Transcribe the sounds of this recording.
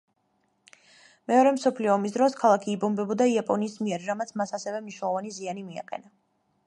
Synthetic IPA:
mɛɔɾɛmsɔpʰliɔːmisd̪ɾɔskʰalˠakʰiːbɔmbɛbɔd̪aiapʼɔniːsmiɛɾːamat̪sʰmasasɛvɛmniʃwnɛlˠɔvanizianimia̰qʼɛ̰na

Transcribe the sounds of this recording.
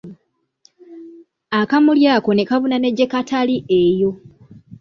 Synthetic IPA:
akamuljaːko̞ne̞kaβunane̞ɟe̞kataliʔe̞jo̞

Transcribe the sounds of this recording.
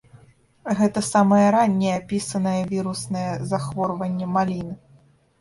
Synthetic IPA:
ɣɛt̪ɐsamɐjɐɾanʲːɛjapʲisɐnɐjɛvʲiɾusnɐjɛzaxvɔrvɐnʲːɛmalʲinɨ

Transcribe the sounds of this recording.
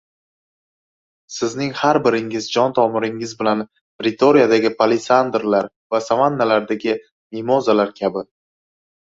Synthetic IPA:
sɪznɪŋhaɾbɪɾɪŋɪzd͡ʒɒnt̪ʰɒmɪɾɪŋɪzbɪlan | pɾɪt̪ʰoɾijad̪aɡʲɪpʰalɪsand̪ɾlaɾ | vasavanːalaɾd̪aɡʲɪ | mimɒzalaɾkʲʰabɪ

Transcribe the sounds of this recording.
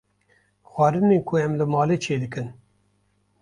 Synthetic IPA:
xʷwɑːɾɨneːkʰʊɛmlɨmɑːlet͡ʃʰeːd̪ɨkɨn

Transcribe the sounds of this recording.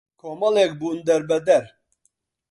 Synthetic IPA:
kʰomɐlɛkbund̪ɛɾbɛd̪ɛɾ

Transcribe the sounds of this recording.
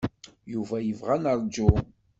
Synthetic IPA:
juvæjəvʁænəɾd͡ʒu

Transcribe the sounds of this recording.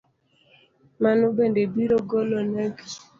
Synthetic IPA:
manubendebiɾoɡɔlɔnɛk

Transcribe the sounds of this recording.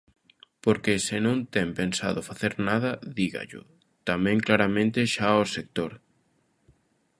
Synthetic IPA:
poɾkesɪnõnt̪ɛmpensa̰ðʊfaθeɾnað̞ɐðiɣɐ̰ʎʊ̰ | t̪amɛ̃ŋklaɾamẽnt̪ɪʃaosek̚t̪oɾ

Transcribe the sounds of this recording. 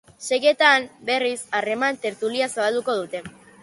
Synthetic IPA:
se̞ɣe̞t̪ambe̞risare̞mant̪e̞ɾt̪uliasaβald̪uko̞ðut̪e̞

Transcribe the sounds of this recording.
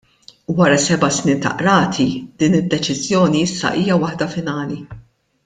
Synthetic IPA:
wɐɾɐsɛbɐsniːnt̪ɐ̰ʔɾɐːt̪ʰid̪̥iːnɪd̪ːɛt͡ʃɪzjɔːniɪsːɐ̰ʔiːjɐwɐħd̪ɐfɪnɐːli

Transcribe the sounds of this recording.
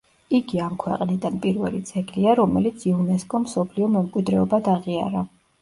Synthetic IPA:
iɡiamkʰwɛqʼnid̪anpʼiɾvɛlit̪sʰɛɡliaɾɔmɛlit̪sʰiunɛskʼɔmsɔpʰliɔmɛmkʼwid̪ɾɛɔbad̪aʁia̰ɾa

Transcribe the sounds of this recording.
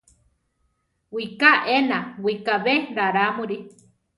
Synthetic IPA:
wikaʔenawikaβeɾaɾamũɾi

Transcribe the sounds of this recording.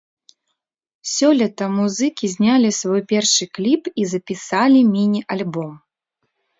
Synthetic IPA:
sʲɔlʲɐt̪ɐmuzɨkʲizʲnʲalʲisvɔjpʲɛrʂɨklʲipizɐpʲisalʲimʲinʲiʔalʲbɔm

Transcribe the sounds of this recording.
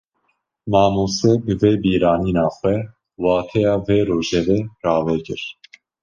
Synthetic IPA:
mɑːmuːsɛbɨveːbiːɾɑːniːnɑːxʷwɛ | wɑːt̪ʰɛjɑːveːɾoːʒɛvɛrɑːvɛkɨɾ

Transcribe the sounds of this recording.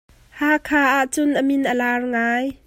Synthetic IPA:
haːkʰaːʔaʔt͡sʊnʔəmɪnʔəlaːrŋaːj

